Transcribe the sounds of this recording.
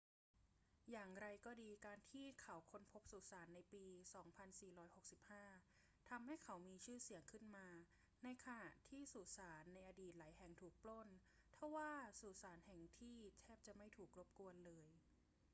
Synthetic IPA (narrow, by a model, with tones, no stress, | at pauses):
jaː˨˩ŋɾa˧jkɔː˥˩diː˧kaː˧nt̪ʰiː˥˩kʰa˩˦wkʰo˧npʰo˦˥p̚suː˨˩saː˩˦nːa˧jpiː˧sɔː˩˦ŋpʰa˧nsiː˨˩ɾɔː˦˥jho˨˩k̚si˨˩p̚haː˥˩ | t̪ʰa˧mha˥˩jkʰa˩˦wmiː˧t͡ɕʰɯː˥˩si˩˦əŋkʰɯ˥˩nmaː˧ | na˧jkʰa˧na˨˩ʔt̪ʰiː˥˩suː˨˩saː˩˦nːa˧jʔaː˧diː˨˩t̪̚laː˩˦jɦɛ˨˩ŋt̪ʰuː˨˩k̚plo˥˩n | t̪ʰa˥˩waː˥˩suː˨˩saː˩˦nhɛ˨˩ŋt̪ʰiː˥˩t̪ʰɛː˥˩p̚t͡ɕa˨˩ʔma˥˩jt̪ʰuː˨˩k̚ɾo˦˥p̚ku˧ənlɤː˧j